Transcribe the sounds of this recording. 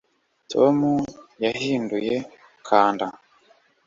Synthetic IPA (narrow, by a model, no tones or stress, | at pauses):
tʰomujaɦiːnduje̞ | kʰaːnda